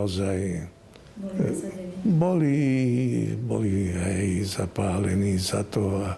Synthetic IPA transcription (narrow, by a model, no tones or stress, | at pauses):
zaj | bɔli | bɔ̰liɦɛjzapaːlɛnizat̪oa